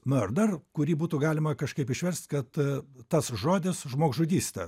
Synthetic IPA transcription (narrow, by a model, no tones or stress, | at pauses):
mʲord̪ɐrkʊɾʲiːbuːt̪ʊɡɑːlʲɪmɐkɐʃkɐɪpɪʃʲʋʲɛɾʲsʲt̪ʲkɐt̪tɐsʒoːd̪ʲɪsʒmoːkʒʊd̪ʲiːsʲt̪ɐ̰